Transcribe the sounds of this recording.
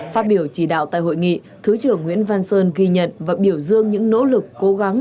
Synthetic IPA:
faː˦˧t̚ɓi˧˩əwt͡ɕi˧˩ɗa̰ː˧˨wt̪a̰ː˧˨jɦo̰˧˨jŋḭ˧˨ | t̪ʰɨ˨˦t͡ɕɨ˧˩əŋːw̰i˧˥ənvaː˧nsəː˧nɣi˧ɲə̰˧˨nvaː˨˩ɓi˧˩əwzɨ˧əŋɲɨ̰˧˥ŋno̰˧˥lɨ˨˩kːo˨˦ɣa˨˦ŋ

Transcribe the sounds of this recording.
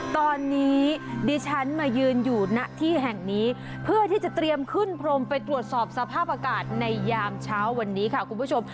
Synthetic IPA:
t̪ɔː˧nːiː˦˥diː˦˧t͡ɕʰa˦˥nmaː˧jɯː˧njuː˨˩na˦˥ʔt̪ʰiː˥˩ɦɛ˨˩ŋniː˦˥ | pʰɯ˥˩ət̪ʰiː˥˩t͡ɕa˨˩t̪ɾi˧əmkʰɯ˥˩npʰɾo˧mpa˧jt̪ɾu˨˩ət̪̚sɔː˨˩p̚sa˧pʰaː˥˩p̚ʔa˧kaː˨˩t̪̚na˧jːaː˧mt͡ɕʰaː˦˥wːa˧nːiː˦˥kʰa˥˩kʰu˧npu˥˩t͡ɕʰo˧m

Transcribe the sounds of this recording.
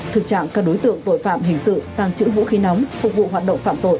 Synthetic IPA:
t̪ʰɨ˨˩k̚t͡ɕa̰ː˧˨ŋkaː˦˥k̚ɗo˨˦jt̪ɨ̰˧˨əŋt̪o̰˧˨jfa̰ː˧˨mɦï˧˩ŋ̟sɨ̰˧˨t̪aː˨˩ŋt͡ɕɨ̰˧˥vṵ˧˥xi˨˦nɔ˨˦wŋ͡mfʊ˨˩k̚vṵ˧˨ɦaː˨˩t̚ɗə̰˧˨wŋ͡mfa̰ː˧˨mt̪o̰˧˨j

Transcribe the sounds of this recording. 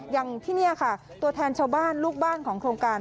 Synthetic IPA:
ja˧ŋt̪ʰiː˥˩ni˥˩ɐkʰa˥˩ | t̪u˧ɐt̪ʰɛː˧nt͡ɕʰaː˧wbaː˥˩nluː˥˩k̚baː˥˩nkʰɔː˩˦ŋkʰɾoː˧ŋkaː˧n

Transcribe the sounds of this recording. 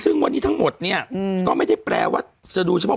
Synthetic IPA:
sɯ˥˩ŋwa˧nːiː˦˥t̪ʰa˦˥ŋmo˨˩t̪̚ni˥˩ɐkɔː˥˩ma˥˩jda˥˩pɾɛ̰ː˧wa̰ː˥˩ | t͡ɕa˨˩duː˧t͡ɕʰa˧pʰ

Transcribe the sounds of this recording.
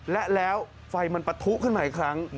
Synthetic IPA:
lɛ˦˥ʔlɛː˦˥w | fa˧jma˧npa˧t̪ʰu˦˥ʔkʰɯ˥˩nmaː˧˩i˦kʰɾa˦˥ŋ

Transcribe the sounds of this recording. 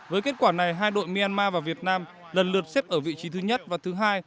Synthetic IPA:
vəː˨˦jke˦˥t̚kwaː˧˩na˨˩jɦaː˧jɗo̰˧˨jmi˧aː˧nmaː˧vaː˨˩vi˨˩ət̚naː˧m | lə˨˩nlɨ˨˩ət̚se˦˥p̚ʔəː˧˩vḭ˧˨t͡ɕi˨˦t̪ʰɨ˨˦ɲə˦˥t̚vaː˨˩t̪ʰɨ˨˦ɦaː˧j

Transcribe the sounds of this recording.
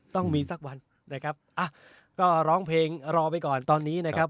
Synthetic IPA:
t̪ɔ˥˩ŋmiː˧sa˦˥k̚wa˧n | na˦˥kʰa˦˥p̚ʔa˧˩ | kɔː˥˩ɾɔː˦˥ŋpʰleː˧ŋɾɔː˧p̬a˧jkɔː˨˩nt̪ɔː˧nːiː˦˥na˦˥kʰa˦˥p̚

